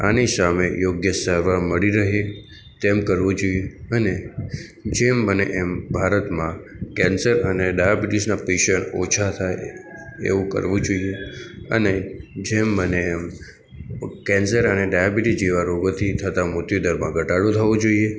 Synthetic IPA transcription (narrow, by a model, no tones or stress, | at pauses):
a̰nisamejoɡjəsəɾʋaməɭiɾəɦe | t̪emkəɾʋõd͡ʒoieəne | d͡ʒembənḛʔembʱaɾət̪mã | kɛ̃nsəɾəneɖajabiʈisnapeʃəɳot͡ʃʰat̪ʰaeḛʋũkə̰ɾʋũd͡ʒoieə̰ned͡ʒembəneːm | kɛ̃nsəɾəneɖajabiʈid͡ʒeʋaɾoɡot̪ʰit̪ʰət̪amʊt̪jod̪əɾmãɡʱəʈaɽot̪ʰəʋõd͡ʒoie